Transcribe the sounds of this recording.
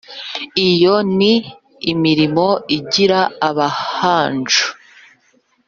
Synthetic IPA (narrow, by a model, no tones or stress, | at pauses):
ijoniː | miɾimoiɟiɾaːβahaːnd͡ʒu̥